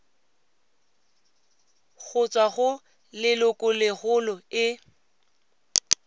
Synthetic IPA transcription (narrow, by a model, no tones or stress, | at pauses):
k͡xʰʊt͡sʼwaɣʊ | lɪlʊkʼʊlɪɣʊlɔɪ